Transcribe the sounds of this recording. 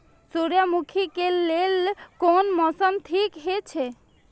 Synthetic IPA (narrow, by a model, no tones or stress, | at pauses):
suɾjəmukʰikelelkonmɔsəmt̪ʰikɦet͡ʃʰe